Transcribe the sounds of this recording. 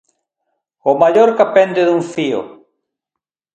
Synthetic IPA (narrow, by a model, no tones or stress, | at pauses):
omaʎoɾkapɛnd̪eðuŋfio̰